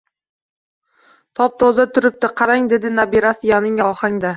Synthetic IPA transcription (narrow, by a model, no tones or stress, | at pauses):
t̪ʰɒp̚t̪ʰɒzat̪ʰʊɾɪp̚t̪ɪqʰɑɾaŋd̪e̞d̪ɪnabiɾasɪjanɪŋaɒχaŋd̪a